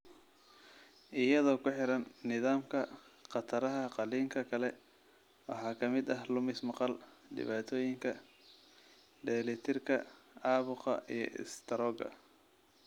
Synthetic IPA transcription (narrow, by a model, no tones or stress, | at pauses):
ʔɪjɐðɔːkʰʊħɪɾɐnːɪðaːmkʰɐqɑt̪ʰɐɾɐɦɐqɑliːŋkʰɐkʰɐlɛ | wɑ̰ħɑːkʰɐmɪd̪ɐɦlʊmɪsmɑqɑlɖɪ̰βaːt̪ʰɔːjɪŋkʰɐ | ɖɛːlɛt̪ʰɪrkʰɐ̰ɑːβʊqɑ̰ijɞ̰ʔɪ̰st̪ʰɐɾɔːɡɐ̰